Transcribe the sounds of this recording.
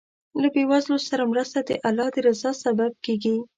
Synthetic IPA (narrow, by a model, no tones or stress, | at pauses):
labewazlosaɾamɾəst̪ad̪ə̰ʔalɑd̪əɾɪzɑsabab̚keɡi